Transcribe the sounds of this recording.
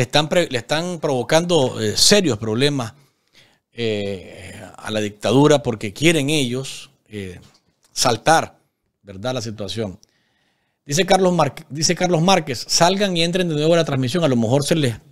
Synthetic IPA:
est̪ampɾeleht̪aŋpɾo̞βo̞kand̪o̞ese̞ɾjo̞spɾo̞βle̞mas | e | a̰laðik̚t̪að̞uɾapo̞ɾke̞kje̞ɾe̞ŋe̞ʝo̞s | e | salt̪aɾ | be̞ɾðaðlas̬it̪wasjo̞ŋ | d̪isekaɾlod̪ise̞kaɾlo̞smaɾke̞sːalɡaŋie̞nt̪ɾend̪e̞nwe̞βolat̪ɾanmis̬jo̞ŋalo̞me̞xo̞ɾse̞les

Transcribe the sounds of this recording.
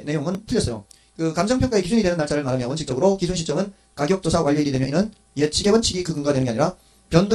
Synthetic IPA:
ne̞joŋɯntʰɯʎjʌs͈ʌjo̰ | kɯkamd͡ʑʌŋpʰjʌŋk͈aekid͡ʑʰuɲidwenɯnːaɭt͡ɕ͈aɾɯɭmaɾɯmjʌʌnt͡ɕʰik̚t͡ɕʌɡɯɾokisʰunɕʰit͡ɕ͈ʌmɯn | kaɡjok̚t͈osʰawaʎːʌiɾidwemjʌʔinɯn | jet͡ɕʰiɡe̞bʌnt͡ɕʰiɡikɯɡɯŋɡadwenɡeaɲiɾa | pjʌndo

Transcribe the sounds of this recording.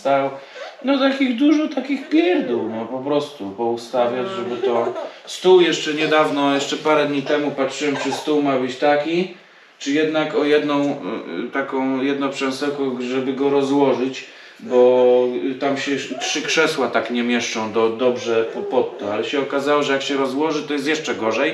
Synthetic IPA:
t̪awnɔt̪akʲiɣd̪uʐɔt̪akʲiɣbʲjɛɾd̪uwnɔpɔpɾɔst̪upɔust̪avʲad͡ʑʐɛbɘt̪ɔst̪uwjɛʂt͡ʂɛɲɛd̪avnɔjɛʂt͡ʂɛpaɾɛd̪ɲit̪ɛmupatʂɘwɛmt͡ʂɘst̪uwmabɘt͡ɕt̪akʲi | t͡ʂɘjɛd̪nakɔjɛd̪nɔ̃w̃t̪akɔ̃w̃jɛd̪nɔ̃pʂɛnsɛwkɔʐɛbɘɡɔɾɔzwɔʐɘt͡ɕ | bɔ | t̪amɕɛtʂɘkʂɛswat̪akɲɛmʲjɛʂt͡ʂɔ̃w̃d̪ɔd̪ɔbʐɛpɔpɔt̪ːɔalɛɕɛɔkazawɔʐɛjakɕɛɾɔzwɔʐɘt̪ɔjɛst̪jɛʂt͡ʂɛɡɔʐɛj

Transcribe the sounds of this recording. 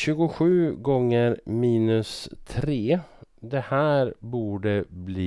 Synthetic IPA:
ɕʉ̟ːɡʊɧʉ̟ːɡɔŋːəɾmiːnɵst̪ʰɾeːd̪ɛhæːɾbuːɖəbliː

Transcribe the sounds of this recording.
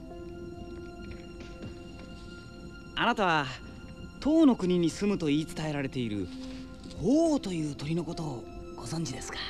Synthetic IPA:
anat̪aβ̞a | t̪o̞ːno̞kɯ̟ɲ̟iɲ̟isɨmɯ̟t̪o̞iːt͡sɨ̥t̪ae̞ɾaɾe̞t̪e̞iɾɯ̟̰ | hoːt̪o̞jɯ̟ːt̪o̞ɾʲino̞ko̞t̪o̞ɡ̥o̞zõ̞ɲ̟d͡ʑid̪e̞sɨ̥kḁ

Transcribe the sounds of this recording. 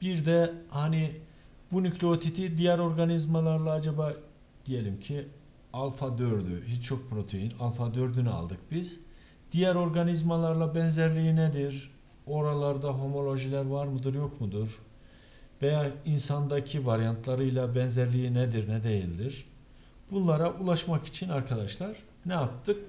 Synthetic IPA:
b̥iɾd̪ɛhani | bunyclʲeot̪ʰit̪ʰid̪ijæɾo̞ɾɡanizmalˠaɾlˠaːd͡ʒaba | d̪̥ije̞lʲimcʰi | alˠfad̪øɾd̪y̰hit͡ʃt͡ʃʰo̞k̚pʰɾo̞t̪ʰejinalˠfad̪øɾd̪ynya̰lˠd̪ɯk̚biz | d̪̥ijæɾo̞ɾɡanizmalˠaɾlˠabɛnzæɾlʲijinɛd̪iɾ | o̞ɾalˠaɾd̪aɦo̞mo̞lʲˠo̞ʒilʲæɾvaɾmɯd̪ɯɾjo̞kmud̪uɾ | vejaːinsand̪acʰivaɾjant̪ʰlˠaɾɯjlˠabɛnzæɾlʲijinɛd̪iɾnɛd̪ejilʲd̪iɾ̥ | b̥unlˠaɾaʔulˠaʃmaki̥t͡ʃʰinaɾkʰad̪aʃlˠaɾ̥ | nɛjap̚t̪ʰɯk̚

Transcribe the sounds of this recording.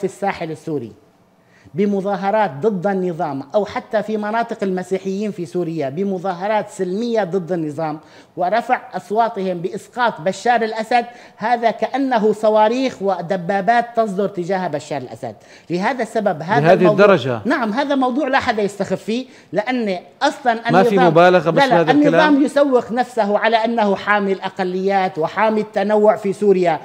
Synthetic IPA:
fisːaːħɪlɪsːuːɾḭ | bɪmʊðɑːɦɑɾˤɑːt̪̚d̪ˤɨd̪ˤːanːɨðˤɑːmʔawħat̪ːafimɑnɑːt̪ˤɨqɪlmasiːħɪjːiːnfisuːɾɪjːabɪmʊðɑːɦɑɾˤɑːt̪sɪlmɪjːad̪ˤɨd̪ːɪnːɨðˤɑːm | wɪɾˤɑfaʕʔɑswɑːt̪ˤɪhɪmbɪʔɪsqɑːt̪ˤbaʃːɑːɾɪlʔasad̪̚ | haːðakaʔanːaɦʊsˤɑwɑːɾiːxwɪd̪abːaːbaːt̪ːɑs̬ˤd̪ʊɾˤt̪ɪd͡ʒaːhbaʃːɑːɾˤɪlʔa̰sa̰d̪̚ | lɪɦaːðasːababɦaːɦaːðɪwd̪ɑɾˤɑd͡ʒa̰naʕamɦaːðamɑwd̪ˤuːʕlaħad̪ajɪst̪axɪfːiː | lɪʔanːʔɑsˤlɑnʔamaːɨðfiˤɑmːʊbaːlaɣabalaaːanːɪðˤɑːmjʊsawːɪxnafsaɦʊʕalaʔanːahʊħaːmɪlʔaqalːɪjːaːt̪wɪħaːmit̪ːanawːʊʕfisuːɾɪja

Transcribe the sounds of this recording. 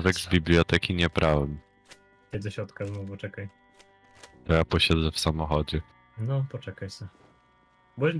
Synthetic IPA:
vɛɡzbʲiblʲijɔt̪ɛkʲiɲɛbɾʔawɛm | ɛd̪zɛɕɾɔt̪kaznuvut͡ʂɛkaj | t̪ɔjapɔɕad̪zɛfsamɔxɔd͡ʑɛ | nɔpɔt͡ʂɛkajsɛ | bɔ

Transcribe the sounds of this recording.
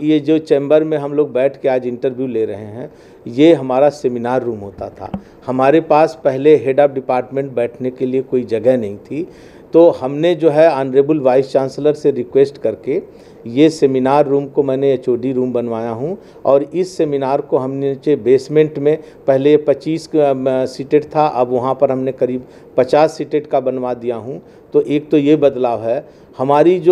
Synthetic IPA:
jed͡ʒoːt͡ʃẽːmbəɾmẽɦɐmloːɡ̚bɛːʈʰkeaːd͡ʒɪ̃ɳʈəɾʋjuleɾɐɦeɦɛ̰̃ː | jeɦɐmaːɾaseːmɪnaːɾːuːmɦoːt̪a̰t̪ʰa̰ː | hɐmaːɾepaːspɛɦleɦeːɖaːp̚ɖɪpaːɾʈmẽɳʈ̚bɛːʈʰnekeliekoːid͡ʒɐɡɛɦnɐɦĩt̪ʰi | t̪oːhɐmned͡ʒoːɦɛanɾeːbəlʋaːɪst͡ʃãːnsləɾseɾɪkweːsʈkɐɾke | jeseːminaːɾːuːmkomɛ̃ːneeːt͡ʃoːɖiɾuːmbɐnʋaːjaɦũ | ɔːɾɪsːeːminaːɾkoɦɐmnet͡ʃebeːsmẽɳʈmẽ | pɛɦlepɐt͡ʃiːssiʈeɖt̪ʰaʔɐbʋɐɦãpɐɾɦɐmnekɐɾiːb | pɐt͡ʃaːsːiʈeːʈkabɐnʋad̪ijaɦũ | t̪oʔeːk̚t̪ojebɐd̪laːʋɦɛː | hɐmaːɾid͡ʒoː

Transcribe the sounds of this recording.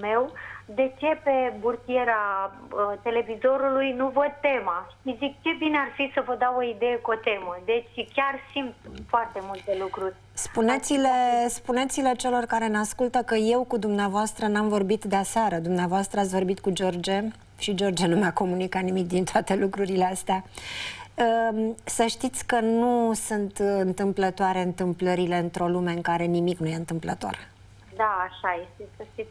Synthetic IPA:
me̞wd̪e̞t͡ʃe̞pe̞burt̪ijeɾa | ət̪e̞le̞vizo̞ɾulujnuvod̪̚t̪e̞maʃizik̚t͡ʃe̞binearfisəvəd̪awo̞id̪e̞jekuot̪e̞məd̪e̞t͡ʃʲkʲarsimt̪foart̪e̞mult̪e̞lukɾurʲ | spunet̪silespunet̪silet͡ʃe̞lo̞rkaɾe̞neaskult̪əkəje̞wkud̪umneavoast̪ɾənamvo̞rbit̪d̪easeaɾəd̪umneavoast̪ɾəat̪sʲvo̞rbit̪kud͡ʒo̞rd͡ʒe̞ | ʃid͡ʒo̞rd͡ʒenumeako̞munikat̪nimik̚d̪int̪oat̪e̞lukɾuɾileast̪ea | əsəʃt̪it̪sʲkənusunt̪ɨnt̪ɨmplət̪oaɾe̞ɨnt̪ɨmpləɾile̞ɨnt̪ɾo̞lume̞ɨŋkaɾe̞nimiknuje̞ɨnt̪ɨmplət̪o̞̰r | d̪aːʃajest̪esesi

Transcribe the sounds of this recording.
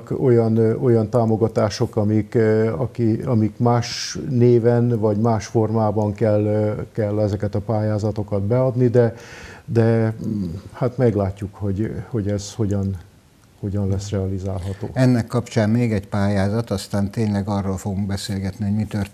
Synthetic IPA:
ko̞jɒno̞jɒnt̪aːmo̞ɡɒt̪aːʃo̞kɒmikɒkiɒmikmaːʃneːvɛnvɒɟmaːʃfo̞rmaːbɒŋkɛlkɛlːɛzɛkɛt̪ɒpaːjaːzɒt̪o̞kɒd̪bɛɒd̪nid̪ɛd̪ɛ | haːt̪mɛɡlaːcːukho̞ɟho̞ɟɛzho̞ɟɒn | ho̞ɟɒnlɛsrɛɒlizaːlɦɒt̪o̰ːɛnːɛkːɒpt͡ʃaːnmeːɡɛɟpaːjaːzɒt̪ɒst̪aːnt̪eːɲlɛɡɒrːoːlfoɡuŋɡbɛseːlɡɛt̪niɦo̞ɟmit̪ør

